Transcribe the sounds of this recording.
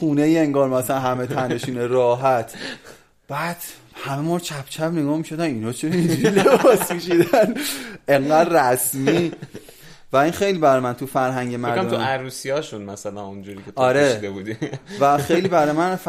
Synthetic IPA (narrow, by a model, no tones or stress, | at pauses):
xuːnejieŋɡɒːɾmæsæænɦæmet̪ʰænd̪eʃuːneɾɒːɦæt̪ʰ | b̥æːd̪̥ | hæmemoːɾt͡ʃʰæb̥t͡ʃʰæbne̞ɡɒːmiʃo̞d̪ænminɒːt͡ʃʰeɾind͡ʒuɾilebɒsmiʃid̪æneŋɢæd̪ræsmiː | væinxe̞jliːbæɾɒjmænt̪ʰufæɾɦæŋɟemæɾdmmt̪ʰuæɾusijɒːʃunmæsælænund͡ʒuːɾiːkʰet̪ɒɾed̪ebud̪ivæxejliːbæɾɒjemænf